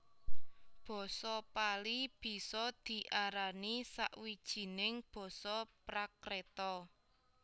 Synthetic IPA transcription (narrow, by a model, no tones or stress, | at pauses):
b̥ɔ̤sɔpalib̥i̤sɔd̪̥i̤ʔaɾanisa̰ʔwid̥ʒ̥i̤nɪŋb̥ɔ̤sɔpɾakɾet̪ɔ